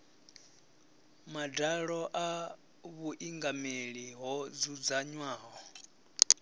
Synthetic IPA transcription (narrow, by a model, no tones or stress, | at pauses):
madaɺɔʔa | βuʔiŋɡameɺiɦɔd͡zud͡zaɲwaːɦɔ